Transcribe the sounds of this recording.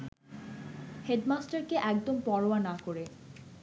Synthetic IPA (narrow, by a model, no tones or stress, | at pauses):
heɖmasʈaɾkeʔɛk̚d̪ompɔɾoanakoɾe